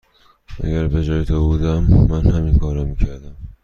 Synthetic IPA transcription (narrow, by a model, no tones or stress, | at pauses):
ʔæ̰ɟæɾbe̞d͡ʒɒːjet̪ʰobuːd̪æmːænhæminkʰɒːɾɒmiːcʰæɾd̪æm